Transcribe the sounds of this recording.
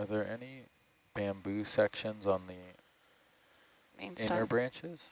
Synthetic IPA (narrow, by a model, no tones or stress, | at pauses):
ə˞ðə˞ʔɛni | b̥æ̃mbʉsɛkʃɨ̃nzn̩ði | ɪ̃nə˞bɹæ̃nt͡ʃɪz̥